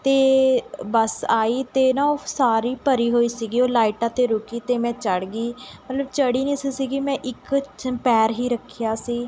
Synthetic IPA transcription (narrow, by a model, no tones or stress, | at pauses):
t̪eːbəsaːiːt̪eːnãːoːsaːɾiːpəɾiːɦoːiːsiːɡiːoːlaːiʈãːt̪eːɾʊkiːt̪eːmɛ̃ːt͡ʃəɽɡiːmət̪ləbt͡ʃəɽiːnĩːsiːsiːɡiːmɛ̃ːʔɪkpɛːɾɦiːɾəkʰːijaːsiː